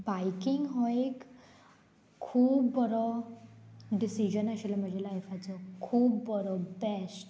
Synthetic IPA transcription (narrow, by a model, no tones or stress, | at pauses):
bajkiŋɡɦoek | uːbːəɾɔ | ɖisid͡ʑənəɕelam̤ə̃d͡ʑʱelaefat͡sɔkʰuːbːəɾɔbɛsʈ